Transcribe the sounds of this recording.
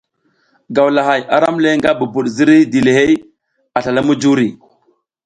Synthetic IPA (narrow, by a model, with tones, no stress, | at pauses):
ɡa˨wla˨ɦa˨jʔa˨ɾa˦mle˦ŋɡa˦bu˨bu˨ɗzi˦ɾi˦di˨le˨ɦe˦j | a˨ɬa˨la˦mu˦d͡ʒu˦ɾi˨